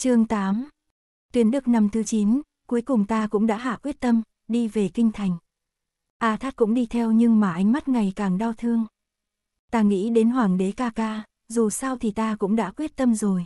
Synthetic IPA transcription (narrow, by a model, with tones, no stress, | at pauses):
t͡ɕɨ˨˧˩əŋt̪aː˨˦m | t̪wi˨˦ənɗɨ˨˩ək̚na˧mt̪ʰɨ˨˦t͡ɕi˨˦n | ku˨˦əjkʊ˨˩ŋ͡mt̪aː˧kʊ̰˧˥ŋ͡mɗa̰ː˧˥ɦa̰ː˧˨kwi˦˥ət̚t̪ə˧m | ɗi˧ve˨˩kï˧ŋ̟t̪ʰa˨˩jŋ̟ | ʔaː˧˩t̪ʰaː˦˥t̚kʊ̰˧˥ŋ͡mɗi˧t̪ʰɛ˧wɲɨ˧ŋmaː˨˩ʔa˧jŋ̟ma˦˥t̚ŋa˨˩jkaː˨˩ŋɗa˧wt̪ʰɨ˧əŋ | t̪aː˧ŋḭ˧˥ɗe˨˦nɦwaː˧˩ŋɗe˨˦kaː˧kaː˧ | zu˨˩sa˧wt̪ʰi˨˩t̪aː˧kʊ̰˧˥ŋ͡mɗa̰ː˧˥kwi˦˥ət̚t̪ə˧mzo˨˩j